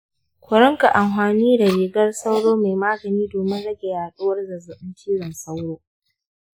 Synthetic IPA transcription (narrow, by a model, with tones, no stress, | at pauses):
kʷʊ˨ɽʊ˦ŋka˨ʔa˨mɦaː˨niː˦da˨ɾiː˨ɡɐ˦rsa˦wɽoː˦ma˨jmaː˦ɡɐ˨niː˦doː˨mɪ˦nɽɐ˦ɡʲe˨jaː˨ɗʊ˦wɐ˦rzɐ˨zɐ˨ɓɪ˦nt͡ʃiː˦ɽɐ˨nsa˦wɽoː˦